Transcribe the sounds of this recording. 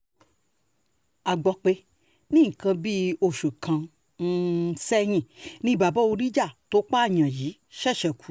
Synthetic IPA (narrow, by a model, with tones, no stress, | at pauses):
a˨ɡ͡bɔ˨k͡pe˧ | nĩ˦˨kã˧bi˦o˧˨ʃu˨kʰã˧ | n̩˦˧sɛ˦j̃ĩ˧˨nĩ˦˧ba˨bɔ˦o˧ɾi˦d͡ʒa˦˨to˦k͡pa˦a˦˨ɲã˨ji˨˦ | ʃɛ˦˨ʃɛ˨ku̥˨